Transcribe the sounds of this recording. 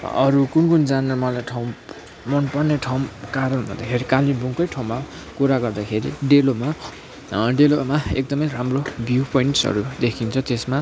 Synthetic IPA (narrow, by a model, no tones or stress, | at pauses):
ʌ̰ɾukunkund͡zanʌmʌlajʈʰawm | mʌnpʌrneʈʰawmkaɾʌnɦun̰d̪a̰kʰeɾikalibʱuŋkʌjʈʰaw̃mːa | kuɾaɡʌrd̪akʰeɾḭɖeloma | ɖelomaek̚d̪ʌmʌjramrobjupʌinʈsʌ̰ɾud̪ekʰint͡sʰʌt̪esma